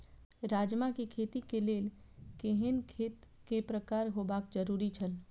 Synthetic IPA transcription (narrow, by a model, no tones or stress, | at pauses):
ɾaːd͡ʒmakikʰeːt̪ikeleːl | keɦɪnkʰeːt̪ | kepɾəkaːɾɦoːbaːkd͡ʒəɾuːɾit͡ʃʰəl